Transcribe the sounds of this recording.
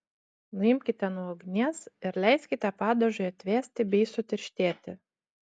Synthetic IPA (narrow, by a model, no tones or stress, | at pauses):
nʊɪmʲkʲɪt̪ʲɛnuɔɡʲnʲɛsɪɾlʲɛɪsʲkʲɪt̪ʲɛpɑːd̪oʒʲojɐt̪ʲʋʲæːsʲt̪ʲɪbʲɛɪsʊt̪ʲɪɾʲʃʲt̪ʲeːt̪ʲɪ